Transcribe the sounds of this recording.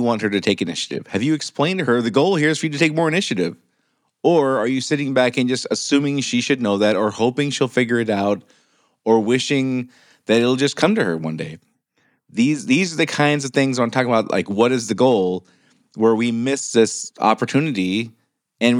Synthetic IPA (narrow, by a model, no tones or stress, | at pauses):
wɑ̃nt̚hə˞ɾɨtʰeɪkɨnɪ̰ʃɨɾɪ̰v̥ɨvjɨːksplẽɪ̃ntɨə˞ðɨɡoʊlˠhiɹɨz̥fə˞jɨɾɨtʰeɪk̚mɔɹɨnɪʃɨɾɪv | ə˞ə˞jɨsɪɾɪ̃ŋbækɨ̃nd͡ʒʌstɨsʉ̃mɪ̃ŋʃiʃɨdⁿnoʊðɨɾə˞hoʊpɪ̃ŋʃilˠfɪɡjə˞ɨɾaʊɾ | ə˞wɪʃɪ̃ŋ | ðɨɾɨɾl̩ˠd͡ʒʌskʰʌ̃mtɨə̰˞wʌ̰̃ndḛɪ | ðizðizə˞ðɨkʰãɪ̃ndzʌv̥θɪ̃ŋzə̃n̩tʰɔkɪ̃ŋəbaʊtˡlʔa̰ɪkwʌɾɨzðɨɡoʊlˠ | wə˞wimɪsðɪsɑ̰pə˞tʰʉnɨɾi | ɨ̃n